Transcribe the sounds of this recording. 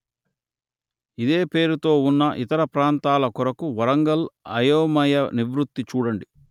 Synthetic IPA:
id̪e̞ːpe̞ːɾut̪o̞ːunːɐʔit̪ɐɾɐpɾaːnt̪aːlɐkɔɾɐkuʋɐɾɐŋɡɐlɐjoːmɐjɐniʋɾut̪ːit͡ʃuːɽɐɳɖi

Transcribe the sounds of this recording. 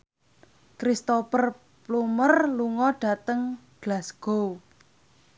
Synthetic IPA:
kɾist̪opər | plumərluŋɔɖ̥ä̤t̪əŋɡ̥lasɡ̥o̤w

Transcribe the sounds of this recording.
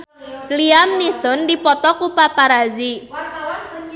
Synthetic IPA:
liamnisʊndipɔt̪ɔkupapaɾazi

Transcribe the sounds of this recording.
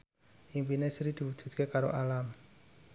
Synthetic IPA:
ʔimpinesɾid̪̥i̤wud̥ʒ̥ṳt̪̚kekaɾo̰ʔalam

